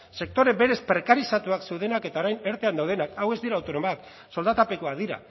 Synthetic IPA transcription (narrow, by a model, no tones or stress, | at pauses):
se̞k̚t̪o̞ɾe̞be̞ɾe̞spɾe̞kaɾisat̪uakse̞wðe̞nake̞t̪ao̞ɾajne̞ɾt̪e̞and̪awð̞e̞nakawe̞zd̪iɾaːwt̪o̞no̞mak | so̞ld̪at̪ape̞koaðiɾa̰